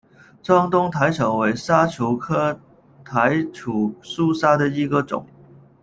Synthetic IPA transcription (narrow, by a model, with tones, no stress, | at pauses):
t͡sɑ˥ŋt̪ʊ˥ŋt̪ʰa˧˥ɪʈ͡ʂʰɤ˨˥ŋwe˧˥ɪsa˥ʈ͡ʂʰu˧˥kʰɤ˥ | t̪ʰa˧˦ɪʈ͡ʂʰu˨˩su˥˦sa˥d̪ə˨i˧˥ɡə˨ʈ͡ʂʊ̰˨˩˦ŋ